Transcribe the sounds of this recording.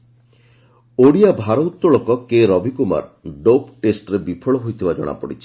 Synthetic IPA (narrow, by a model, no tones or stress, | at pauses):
oɽijabʱaɾɔut̪ːɾɔɭokɔkeɾɔbʱikuma̰ɾɖopʈesʈɔɾebipʰɔɭɔɦojt̪ʰibad͡ʒɔ̰ɽ̃a̰pɔɽit͡ʃʰi̥